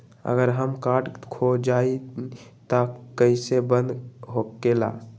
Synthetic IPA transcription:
ə̰ɡəɾɦəmkaɾɖkʰod͡ʒait̪əkəɪsebənd̪ɦoela̰

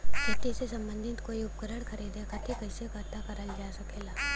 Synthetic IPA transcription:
kɐt̪isesɐ̃mbə̃nd̪ʱɪt̪koːiʊpkəɾəɽkʰɐɾiːd̪ekʰɐt̪ʰikɐɪsekɐɾt̪akɐɾəld͡ʒaːsɐkeːlaː

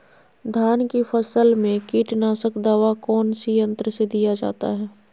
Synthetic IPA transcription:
d̪ʱaːnkifʰəsəlmẽkiːʈnaːsəkd̪aːʋakɔːnsijə̃nt̪ɾəsed̪ijad͡ʒa̰ːt̪a̰ɦɛː

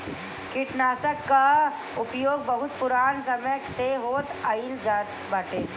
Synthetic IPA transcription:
kɪʈnaːsəkːa | ʊpjoːɡ̚bɐɦʊt̪̚pʊɾaːnsɐmjkseɦoːt̪aild͡ʒa | baːʈeː

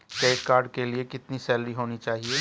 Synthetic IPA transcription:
ʈeːkkːaːɾɖkelɪekɪt̪nisɛːlɾiɦoːnit͡ʃaːɦieː

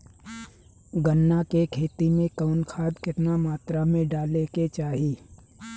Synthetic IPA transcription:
ɡənːakekʰeːt̪imẽkəʊnkʰaːd̪kɪt̪namaːt̪ɾamẽɖaːleket͡ʃaːɦiː

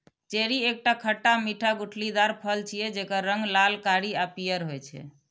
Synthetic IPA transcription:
t͡ʃeɾiek̚ʈakʰəʈːamiʈʰaɡuʈʰlid̪aɾpʰəlt͡ʃʰijɛd͡ʒekəɾːəŋɡlalkaɽiapijəɾɦojt͡ʃʰɛ̰

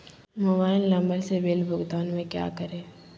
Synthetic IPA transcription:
mobaːɪllɐ̃mbəlsebeːlbʱʊɡt̪aːnmẽkja̰ːkəɾẽː

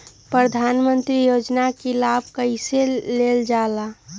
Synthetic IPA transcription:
pɾəd̪ʱaːnmə̃nt̪ɾijoːd͡ʒnakilaːb̚ʱkəɪseleːld͡ʒaːla

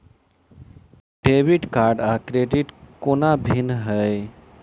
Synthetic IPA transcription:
ɖebiʈkaɾɖakɾeɖiʈkonabʱinɦəj

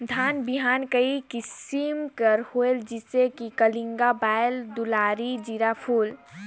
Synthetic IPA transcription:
d̪ʱanbiɦankəikisimkəɾhoeld͡ʒisekikəliŋɡabaeld̪ulaɾid͡ʒiɾapʰuːl

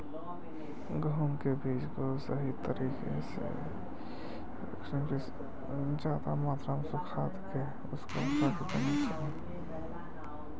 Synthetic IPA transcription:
ɡəʊnkebʱiːd͡ʒkosəɦit̪əɾiːkḛsḛ | ɾ̰ksənki | d͡ʒaːd̪amaːt̪ʰɾaːmsʊkʰaːt̪ke | ʊsko̰paːkid̪ənit͡ʃ | e

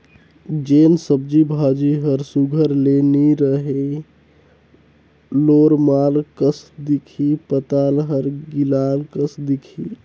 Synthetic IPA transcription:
d͡ʒensəb̚d͡ʒibʱad͡ʒiɦəɾsuɡʱəɾleniɾəɦe | loɾmalkəsd̪ikʰipət̪alɦəɾɡilalkəsd̪ikʰi

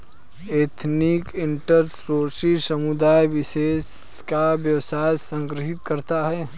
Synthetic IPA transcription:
et̪ʰnikɪɳʈəɾsɾosisəmud̪ajʋɪseːskabjəwsajsə̃ŋɡɾɪɦɪt̪kəɾt̪aɦɛː

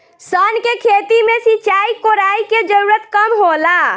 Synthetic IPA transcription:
sənkekʰet̪imesit͡ʃaikoɾaiked͡ʒəɾuɾət̪kəmɦola

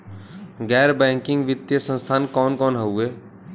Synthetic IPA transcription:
ɡɛːɾbɛ̃ːŋkɪ̃ŋɡʋɪt̪ːjəsə̃nst̪ʰaːnkɔːnkɔːnɦəueː

